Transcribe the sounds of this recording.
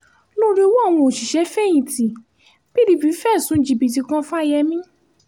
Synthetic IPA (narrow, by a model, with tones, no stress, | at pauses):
lo˦ɾi˦o˧wɔ˦a˦˨w̃ɔ̃˧o˨ʃi˨ʃɛ˨˦fɛ˦˨j̃ĩ˨tĩ˨ | b̥i˦ɾi˧˦bi˨˦fɛ˦˨sũ˨˦d͡ʒi˨bi˨ti˧kã˦fa˦˨jɛ˧mĩ˦